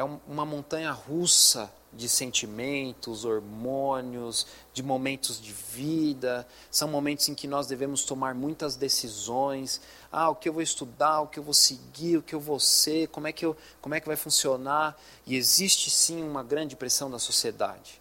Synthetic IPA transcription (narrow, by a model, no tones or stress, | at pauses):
ɛũmũmɐmõnt̪ɐ̃ɲɐhusɐ | d͡ʒɪsẽnt͡ʃimẽnt̪ʊzoɾmõnjʊz | d͡ʒɪmomẽnt̪ʊzd͡ʒɪvid̪ɐ | sɐ̃w̃momẽnt̪ʊzẽkɪnɔzd̪evẽmʊst̪omaɾmũj̃t̪ɐzd̪esizõj̃s | a̰ʊkɪewvoɪst̪ud̪aɾʊkɪewvosɪɡiɾʊkɪewvoseɾkõmʊɛkɪew | kõmʊɛkɪvajfũsionaɾ | ɪezist͡ʃɪsĩũmɐɡɾɐ̃d͡ʒɪpɾesɐ̃w̃d̪ɐsosied̪a̰d͡ʒɪ